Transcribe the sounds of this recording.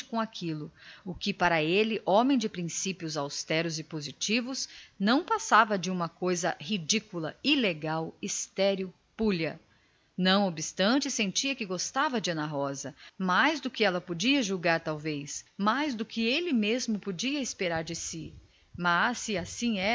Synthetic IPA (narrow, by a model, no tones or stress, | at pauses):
t͡ʃɪ̥kõakʰilʊʊkɪpaɾɐelɪʔõmẽj̃d͡ʒɪpɾĩsipiʊzawst̪ɛɾʊzɪpozit͡ʃivʊznɐ̃w̃pasavɐd͡ʒɪũmɐkojzɐhid͡ʒikulɐileɡawist̪ɛɾjʊ | puʎɐ | nɐ̃w̃obɪst̪ɐ̃t͡ʃɪsẽnt͡ʃiɐkɪɡost̪avɐd͡ʒɪɐ̃nɐɦɔzɐmajzd̪ʊkɪɛlɐpod͡ʒiɐʒuɡaɾt̪awvejsmajzd̪ʊkɪelɪmezmʊpod͡ʒiɐɪspeɾaɾd͡ʒɪsɪ | mɐsɪasĩɛ